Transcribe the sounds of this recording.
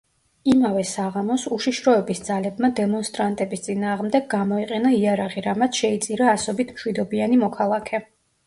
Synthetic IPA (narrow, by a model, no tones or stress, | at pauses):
imavɛsaʁamɔsuʃiʃɾɔɛbisd̪zalɛbmad̪ɛmɔnst̪ʼɾant̪ʼɛbist̪sʼinaːʁmd̪ɛɡːamɔiqʼɛnaiaɾaʁiɾamat̪sʰʃɛit̪sʼiɾaːsɔbit̪ʰmʃwid̪ɔbianimɔkʰalˠakʰɛ